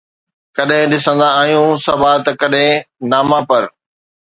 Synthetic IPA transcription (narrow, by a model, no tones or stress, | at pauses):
kɐɗɦɪ̃ɗɪsə̃nd̪aaːɦijũsɐbat̪ɐkɐɗɦɪ̃naːmãpɐɾ